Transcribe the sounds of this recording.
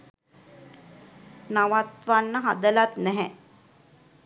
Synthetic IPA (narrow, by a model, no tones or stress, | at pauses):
naʋat̪ʋanːəɦad̪əlat̪nɛɦɛ